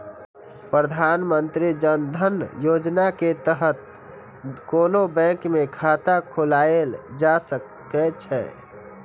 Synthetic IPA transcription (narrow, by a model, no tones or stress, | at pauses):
pɾəd̪ʱanmənt̪ɾid͡ʒənd̪ʱənjod͡ʒnaket̪əɦət̪̚ | konobɛ̃ŋkmekʰat̪akʰolaeld͡ʒasə | ɛt͡ʃʰɛ̰